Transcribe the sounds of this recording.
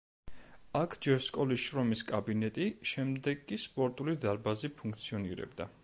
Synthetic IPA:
akʰd͡ʒɛɾskʼɔlisʃɾɔmiskʼabinɛt̪ʼiʃɛmd̪ɛɡʼːispʼɔɾt̪ʼulid̪aɾbazipʰũŋkʰt̪sʰiɔnḭɾɛ̰bd̪a

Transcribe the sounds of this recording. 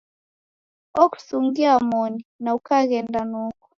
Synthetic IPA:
ɔku̥suŋɡiamɔninaukaɣɛndanuku̥

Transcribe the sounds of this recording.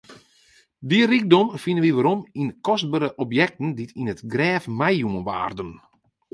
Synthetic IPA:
dirik̚dɔmfinənʋiʋaɾominkɔst̚bəɾəʔɔpjɛk̚tn̩ditinətɡrɛːfmɛjumənʋa̰ːrdən

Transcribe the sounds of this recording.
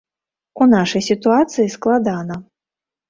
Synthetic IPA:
unaʂɐjsʲit̪uat̪sɨjisklˠad̪anɐ

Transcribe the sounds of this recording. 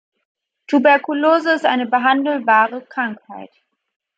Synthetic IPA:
tʰubɛɐkuloːzəɪstʔa̰ɪnəbəɦandl̩baːʁəkʁ̥aŋkhaɪt

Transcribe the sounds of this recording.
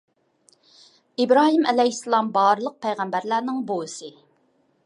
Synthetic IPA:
ibɾɑːɦimɛlɛhisːɨlˠɑmbɑːɾɨlˠəq̚pʰæjʁæmbæɾlæɾnɪŋbolˠɨsɨ

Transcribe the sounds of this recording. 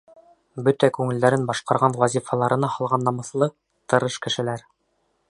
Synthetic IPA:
bɵt̪ækʉŋɘ̆ld̪æɾɘnbɑʃqɑɾʁɑnwæzʲifɑlˠɑɾʔɤ̆nɑhɑlˠʁɑnːɑmɤ̆θlˠɤ | t̪ɤ̆ɾɤʃkɘ̆ʃɘ̆læɾ

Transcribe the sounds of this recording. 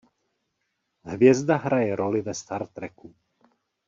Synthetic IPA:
ɦvɪɛzd̪aɦɾajɛɾolivɛst̪aɾt̪ɾɛku

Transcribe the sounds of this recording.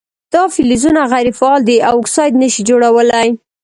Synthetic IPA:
d̪̥ɑfilizunaɣajɾifaɑld̪iawɪksɑjd̪nəʃid͡ʒoɽawəlaj

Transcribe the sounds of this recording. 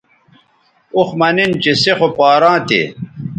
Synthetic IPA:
uxmɐnint͡ɕesexopaːɾãːt̪ḛ

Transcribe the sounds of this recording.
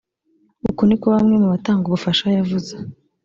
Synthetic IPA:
ukonikoβamŋe̞muβataːŋɡoβufaʃajavuze

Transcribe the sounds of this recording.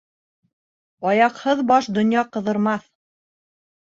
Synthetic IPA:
ɑjɑqhɤðbɑʃd̪ŏnjɑqɤ̆ðɤ̆ɾmɑθ

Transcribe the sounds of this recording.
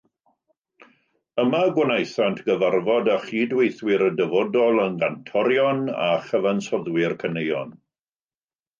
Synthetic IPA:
əmaɡwanajθantʰɡ̥əvarvɔdaχiːdwejθwɪɾədəvɔdɔlˠənɡantʰɔɾjɔna̰χəvansɔðwɪrkʰənejɔ̰n

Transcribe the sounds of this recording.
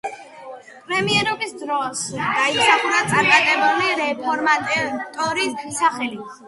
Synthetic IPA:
pʼɾɛmiɛɾɔbisd̪ɾɔsɡ̪̥ait̪sʰaχunat̪sʼaɾmat̪ʼɛbuliɾɛpʰɔɾmat̪ʼt̪ʼɔɾisaχɛli

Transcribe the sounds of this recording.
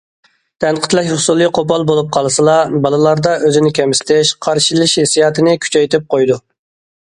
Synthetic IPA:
t̪ʰɛnqʰət̪lˠɛʃhʊsulˠɨqʰopɑlˠbolˠup̚qʰɑlˠɨsɨlˠɑbɑlˠɨlˠɑɾd̪ɑʔøzɪnɪkʲɛmsɪ̥t̪ʰɪʃqʰɑɾʃilˠɪʃhesijɑːt̪ʰɨnɪkʲʰy̥t͡ʃʰɛjt̪ʰɪp̚qʰojd̪u

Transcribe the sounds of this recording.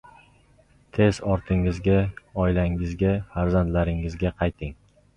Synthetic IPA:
t̪ʰe̞zɒɾt̪ʰɪŋɪzɡʲaɒɪlaŋɪzɡʲafaɾzant̪laɾɪŋɪzɡʲaqʰɑjt̪ʰɪŋ

